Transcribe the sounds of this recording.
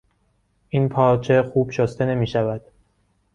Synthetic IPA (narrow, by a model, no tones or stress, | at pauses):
ʔiːnpʰɒːɾt͡ʃʰexuːb̥ʃost̪e̞ne̞miːʃævæd̪̥